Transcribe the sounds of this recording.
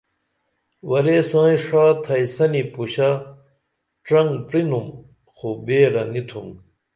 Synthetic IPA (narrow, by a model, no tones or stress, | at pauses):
wɐɾeːsãːĩʂaːt̪ʰɐisɐnipuɕa | ʈ͡ʂɾɐŋɡpɾinum | xobeːɾɐŋit̪ʰũŋ